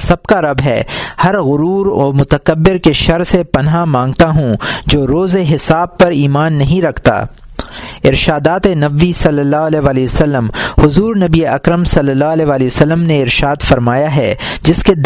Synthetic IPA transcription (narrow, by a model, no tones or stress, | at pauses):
sɐb̚kaɾɐbɦɛhɐɾɣʊɾuːɾɔ̰ːmʊt̪əkɐbːɪɾkeʃɐɾsepɐnɦamãːŋɡt̪aɦũd͡ʒoːɾoːzeɦɪsaːb̚pɐɾiːmaːnːɐɦĩɾɐkʰt̪a̰ː | ɪɾʃaːd̪aːt̪enɐbisɐlːəlːaːɦʊɐlɛːʋaːlisəlːəmhʊzuːɾnɐbieʔɐkɾəmsɐlːəlːaːɦʊɐlɛːʋaːlisəlːəmneɪɾʃaːd̪fɐɾmaːjaɦɛ | d͡ʒɪsked̪